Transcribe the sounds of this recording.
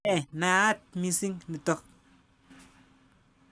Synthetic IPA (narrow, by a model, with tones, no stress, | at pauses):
ɛ˨na˨a˦t̚mi˨si˦ŋni˨tɔ˦˨k̚